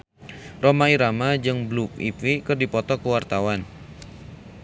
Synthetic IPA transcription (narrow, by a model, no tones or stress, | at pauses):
romaiɾamad͡ʒɨŋblup̚ḭpikɨrdipɔt̪ɔkəwart̪awan